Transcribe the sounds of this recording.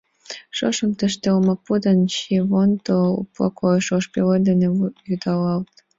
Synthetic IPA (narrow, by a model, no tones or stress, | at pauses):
ʃoʃəmt̪ə̆ʃt̪elmɑpud̪ɑnɕiβont̪oṵplˠɑ̰kʰojʃoʃpeled̪enejut̪ɑlɑlt̪